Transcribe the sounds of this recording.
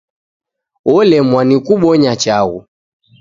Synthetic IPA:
ɔlɛmwanikuɓɔɲat͡ʃaɣu

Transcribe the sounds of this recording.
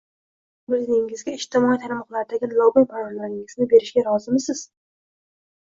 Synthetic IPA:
bɪznɪŋɪzɡʲaɪʃt̪ɪmɒit̪ʰaɾmɒqlˠaɾɪd̪aɡʲɪlˠɒbɪnpʰaɾɒɾlaɾɪŋɪznɪbe̞ɾɪʃɡʲaɾɒzɪmɪsɪz̥

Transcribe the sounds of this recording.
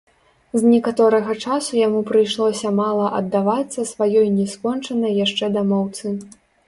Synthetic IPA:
znʲɛkat̪ɔɾɐɣɐt͡ʂasujamupɾɨjʂlˠɔsʲɐmalˠɐʔɐd̪ːavat̪sːɐsvajɔjnʲɛskɔnt͡ʂɐnɐjːaʂt͡ʂɛd̪amɔwt̪sɨ

